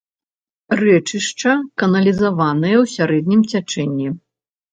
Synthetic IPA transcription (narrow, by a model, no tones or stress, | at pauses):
rɛt͡ʂɨʂt͡ʂɐkɐnɐlʲizavanɐjɐwsʲaɾɛd̪nʲimt͡sʲat͡ʂɛnʲːi